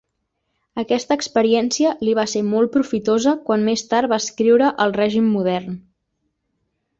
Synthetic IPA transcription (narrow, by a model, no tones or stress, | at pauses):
əkɛst̪əːkspəɾiɛnsiəliβ̞aseɾmɔl̚ˠpɾufit̪ozəkwanmest̪aɾbaːskɾiwɾəʔəlˠrɛʒimːuðɛrn